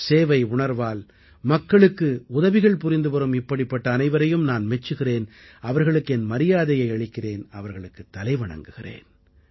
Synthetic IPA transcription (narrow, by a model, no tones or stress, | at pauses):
seːʋɐɪʊɳɐɾʋaːl | mɐkːɐɭɯkːɯʊðɐʋɪɣɐɭpʊɾɪnd̪ɯpɐɾɐmɪpːɐɽɪpːɐʈːɐːnɐɪʋɐɾɐjɯmnaːnmɛt͡ʃːɯɣɪreːn | ɐʋɐɾɣɐɭɯkːɯɛnmɐɾɪjaːðɐjɐɪɐɭɪkːɪreːnɐʋɐɾɣɐɭɯkːɯt̪ːɐlɐɪʋɐɳɐ̰ŋɡɯɣɪrḛːn